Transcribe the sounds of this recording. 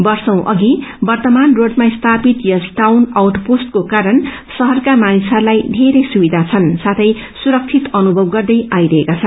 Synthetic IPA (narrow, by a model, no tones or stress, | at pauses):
bʌrsʌw̃ʔʌɡibʌrt̪ʌmanroɖmast̪ʰapit̪jʌsʈawnawʈposʈ̚kokaɾʌn | sʌɦʌrkamanisʌrlajɖʱeɾejsubid̪ʱat͡sʰʌnsat̪ʰʌj | suɾʌk̚t͡sʰit̪ʌnubʱʌbɡʌrd̪ʌjʔajɾʌɦekat͡sʰʌn